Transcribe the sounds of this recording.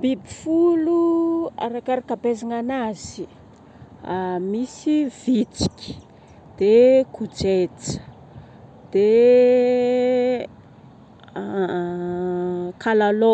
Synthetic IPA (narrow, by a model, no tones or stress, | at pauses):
b̥ibifulua̰ɾakaɾakabezaŋanaz̥i | amisivit͡si̥kʲi̥ | d̪̥ekud͡ʒet͡sə̥ | d̪̥e | kʰalalo